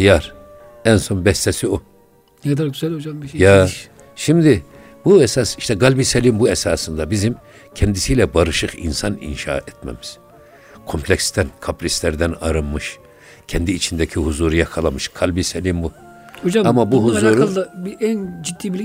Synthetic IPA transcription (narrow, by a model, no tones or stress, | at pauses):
ijaɾ | ɛnso̞nbɛst̪ʰɛsio | nɛkd̪aɾɡyzɛlʲhod͡ʒambiʃja | ʃimd̪i | buɛsasiʃt̪ʰɛɡalʲbiselʲimbuɛsaːsɯnd̪abizim | cʰɛnd̪isijlʲɛbaɾɯʃɯqḭnsanḭnʃa̰ːɛt̪mɛ̰miz̥ | kʰo̞mpʰlʲɛcst̪ʰænkʰaplʲist̪lʲɛɾd̪ænaɾɯmːɯʃ | cʰɛnd̪iːt͡ʃʰind̪ɛcʰiɦuzuːɾujakʰalˠamɯʃkʰalʲbisɛlʲimbu | hod͡ʒamamabuɦuzuɾulˠd̪abiʔænd͡ʒid̪ːiːbilʲ